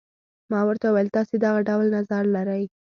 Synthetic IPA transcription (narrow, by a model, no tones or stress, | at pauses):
mɑwəɾt̪awajəlt̪ɑsed̪aɣaɖawlnazaɾlaɾaj